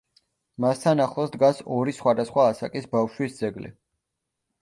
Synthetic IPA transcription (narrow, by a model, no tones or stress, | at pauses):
mast̪ʰanaχlˠɔsd̪ɡasɔɾisχwad̪asχwaːsakʼisbafʃwisd̪zɛɡlḭ